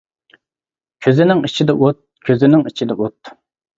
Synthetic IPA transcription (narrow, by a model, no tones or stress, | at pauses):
kʲʰøzɪnɪŋit͡ʃʰid̪ɛʔot̪̚kʲʰøzɪnɪŋit͡ʃʰid̪ɛʔot̪